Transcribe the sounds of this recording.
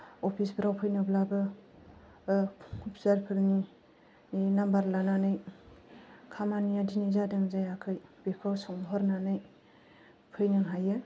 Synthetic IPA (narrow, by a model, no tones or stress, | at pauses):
opʰisbɾawpʰɯjnɯblabɯ | kʰupsaɾpʰɯɾni | nambaɾlananɯj | kʰamanijadinizadɯŋzajakʰɯjbekʰɔwsɔŋɦɔɾnanɯj | pʰɯjnɯŋɦajɯ